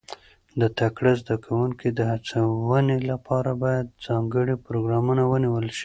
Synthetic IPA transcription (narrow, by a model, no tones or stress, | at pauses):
d̪ət̪akɽazd̪akʰawuŋkid̪əhat͡sawənelapʰɑɾabɑjad̪̚zɑŋɡəɽipɾoɡɾɑmunawəniwəlʃi̥